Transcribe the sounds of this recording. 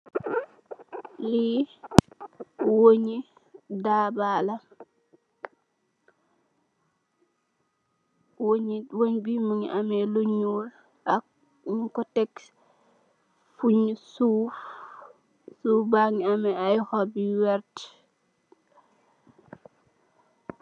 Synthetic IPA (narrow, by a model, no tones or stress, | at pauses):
li | woɲi | dabaːla | woɲwoɲbimuŋiʔamɛluɲul | ak̚ | ŋkɔtɛk | fuɲsuːf | sufbaŋiamɛajxɔbiwɛɾt